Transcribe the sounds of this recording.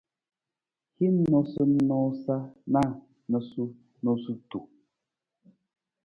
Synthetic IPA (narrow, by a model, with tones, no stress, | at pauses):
hi˦n̩˦nɔ˨sɔ˦n̩˦nɔ˦sa˦na˦˨ | nɔ˨su˦ | no˨su˦tu˨